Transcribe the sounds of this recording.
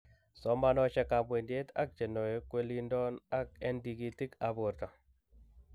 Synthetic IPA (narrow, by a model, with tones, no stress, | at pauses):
sɔ˦ma˦nɔ˦t͡ʃɛ˦ka˨bwe˨ndje˦t̪a̰˦k̚t͡ʃe˨nɔ˨je˦kwe˦li˦ndɔ˦na˦kɛ˦ndi˨ɡi˦ti˦ka˨bo˨ɾt̪a˨